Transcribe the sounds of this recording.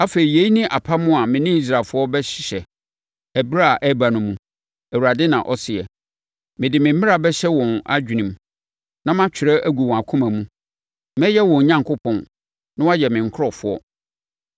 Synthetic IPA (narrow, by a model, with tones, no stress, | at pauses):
a˦fe˨ɾi˨je˨˦i˦nĩ˦ʔa˨pʰa˦mʊ̃˦a˨mɪ̃˨nɪ̃˦i˦s̬ɾa˨lfʊ˦ɔ˦bɛ˦ɕɪ̥˨ɕɛ˨ | æ˨bɾa˦˨ʔɛ˦ba˨nʊ̃˨mːũ˨ | æ˨wu˨ɾa˨dɪ˦nã̰˨ʔɔ˦sɪ˨ɛ̰˨ | mɪ̃˨dɪ˨mɪ̃˨m̩˦mɪ̃˦ɾa˨bɛ˦ɕɛ˦wɔ̃˨na̰˦d͡ʑᶣi˨nĩ˨m | nã˦mã˦t͡ɕᶣʰɪ˨ɾɛ˦ʔæ˦ɡu˨wɔ̃˨a˨kʰʊ̃˦mã˨mũ˦ | mɛ̃˦jɛ˦wɔ̃˨ɲã˦ŋkʰʊ˦pʰɔ̃˨n | nʊ̃˦wa˦jɛ˨mɪ̃˨ŋ̩˨kʰɾɔ˨fʊ˦ɔ̰˦